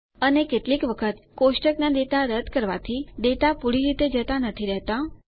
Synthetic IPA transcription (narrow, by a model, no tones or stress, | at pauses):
ənekeʈlikʋəkʰət̪koʃʈəknad̪et̪aɾəd̪ʱkəɾʋa̰t̪ʰid̪et̪apuɽiɾit̪ed͡ʒət̪anət̪ʰiɾɛɦt̪a